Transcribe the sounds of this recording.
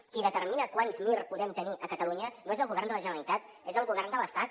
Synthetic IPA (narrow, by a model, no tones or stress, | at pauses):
kiðət̪ərminəkwanzmirpuðɛmt̪əniʔəkət̪əluɲənoezəlˠɣuβɛrnd̪ələʒənəəlit̪at̪ | ezəlˠɣuβɛrnd̪ələst̪at̪̚